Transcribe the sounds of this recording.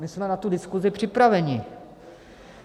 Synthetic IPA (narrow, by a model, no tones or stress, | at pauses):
mɪsmɛnat̪udɪskuzɪpr̝̥ɪpɾavɛɲɪ